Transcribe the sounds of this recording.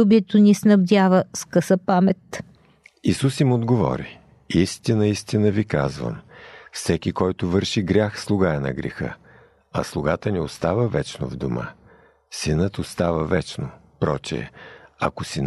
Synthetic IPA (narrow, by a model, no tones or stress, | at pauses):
ubiɛt̪onisnɐbd̪ʲavəskəsəpamɛt̪ | isusimod̪ɡovɔ̰ɾi | ist̪inəist̪inəvikazvə̰mfsɛkʲikɔjt̪ʊvɤɾʃiɡɾʲaxslˠʊɡaɛnɐ̰ɡɾɛ̰xə̰ | ɐ̰slˠʊɡat̪əniost̪avəvɛt͡ʃno̰vd̪omə̰ | sinət̪ost̪avəvɛt͡ʃno | pɾɔt͡ʃɛ̰ɐ̰kosin